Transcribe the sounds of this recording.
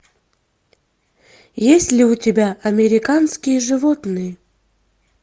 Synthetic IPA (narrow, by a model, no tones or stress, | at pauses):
jesʲtʲlʲɪʊtʲɪbʲaʔɐmʲɪɾʲɪkanskʲɪjəʐɨvot̪nɨjə